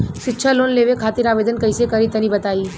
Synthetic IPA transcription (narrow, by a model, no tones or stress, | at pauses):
ʃɪtːʃʰalonleʋekʰat̪iɾaʋed̪ənkəjsekəɾit̪ənĩbət̪aiː